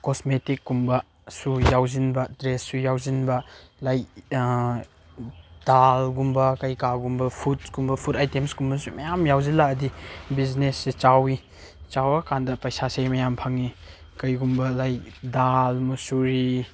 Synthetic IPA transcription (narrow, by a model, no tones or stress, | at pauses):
kosmetikːumbɐ | sujawzinbɐdɾesːujawzinbɐlaj | d̥alɡumbɐkɐjkaɡumbɐpʰut̚ɡumbɐpʰutajtemsɡumbɐsumɐjamjawzilaɐdibiznesːit͡ʃawi | t͡ʃawɐkʰandɐpɐjsasejmɐjampʰaŋi | kɐjɡumbɐlajdalmɐsuɾi